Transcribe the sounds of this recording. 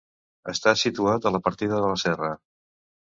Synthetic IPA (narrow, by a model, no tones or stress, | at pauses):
əst̪asit̪uat̪ələpəɾt̪iðəðələsɛrə